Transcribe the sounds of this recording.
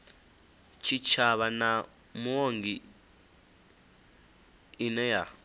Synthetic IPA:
t͡ʃʰit͡ʃʰaβana | muoŋɡi | inɛja

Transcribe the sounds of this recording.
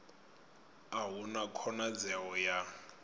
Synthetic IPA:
aɦunakʰɔnad͡zɛɔja

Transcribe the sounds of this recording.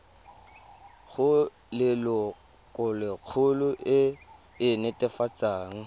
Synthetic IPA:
χʊ | lɪlɔ | kʼɔlɪq͡χʰʊlʊʔɪ | ɪnɛtʼɛfat͡sʼaːŋ̩

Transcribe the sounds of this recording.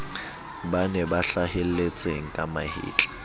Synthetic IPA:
banɛbaɬahel̩let͡sʼeŋ̩kʼamahḭːt͡ɬʼɛ̥

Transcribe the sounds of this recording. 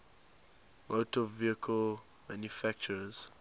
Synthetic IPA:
mʔotɔviəkʰəl | mãnjufæk̚t͡ʃəɹz̥

